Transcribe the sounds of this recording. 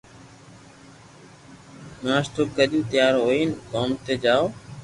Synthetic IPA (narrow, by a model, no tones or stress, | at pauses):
naːsʈ̪oːkəʄũːt̪ɪjaːɾɦoːiːnkoːmt̪eːd͡ʒaːoː